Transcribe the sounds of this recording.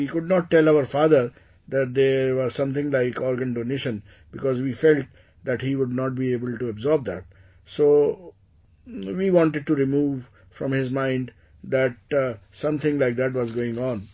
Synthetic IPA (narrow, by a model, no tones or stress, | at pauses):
ikʊɖnɔʈ̚ːɛlaʊəɾfaːd̪əɾ | d̪æʈ̚d̪eːɾʋɔzsʌ̃mt̪ʰɪ̃ŋlaɪkɔːɾɡə̃nɖoneʃə̃n | b̥ɪkɔːzʋiːfɛlʈ̚ | d̪æʈhiːʋʊɖ̚nɔːʈ̚biːeːbəlʈuəbzɔːɾb̚d̪æ̰ʈ̚ | soː | ʋiːʋɔ̃ɳʈeɖ̚ʈuɾɪmuːʋ | fɾɔ̃mhɪzmãɪ̃ɳɖ | d̪æʈ̚sʌ̃mt̪ʰɪ̃ŋlaɪk̚d̪æʈ̬ʋɔzɡoːɪ̃ŋɔ̃ːn